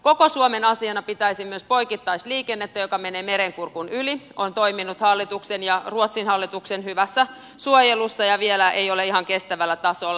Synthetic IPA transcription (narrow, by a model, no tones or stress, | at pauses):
kokosuomenɑsiɑnɑpit̪æisimyøspoikit̪ːɑisliːkenːet̪ːæjokɑmeneːmeɾeŋkurkunyliont̪oiminut̪hɑlːit̪uksenjɑruot̪sinhɑlːit̪uksenhyʋæsːæ | suojelusːɑjɑʋielæejoleihɑŋkest̪æʋælːæt̪ɑsolːɑ